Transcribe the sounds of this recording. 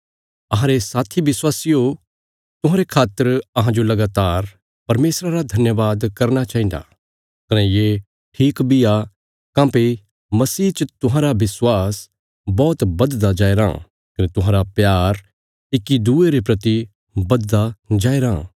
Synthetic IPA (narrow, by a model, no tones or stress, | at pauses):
ɐɦãɾesaːt̪ʰiʋɪswaːsijo | t̪ʊ̃ɦãːɾekʰaːt̪ːəɾɐɦãd͡ʒolɐɡaːt̪aːɾ | pɐɾmeːsɾaɾad̪ʱɐnjəʋaːd̪kɐɾnat͡ʃaːɦĩnd̪a̰ | kɐnɛjeː | ʈʰiːkbija | kãːpe | mɐsiːt͡ʃət̪ʊɦãɾaʋɪswaːs | bɔːt̪bɐd̪d̪ad͡ʒaːeɾã̰ | kɐnet̪ʊɦãːɾapjaːɾ | ɪkːid̪ueɾepɾɐt̪i | bɐd̪d̪ad͡ʒaːeɾã